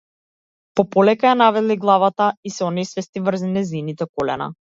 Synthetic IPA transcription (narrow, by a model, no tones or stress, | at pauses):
pɔpɔlɛkajanavɛliɡlˠavat̪aisɛɔnɛjsvɛst̪ivr̩zɛnɛzinit̪ɛkɔlɛ̰na̰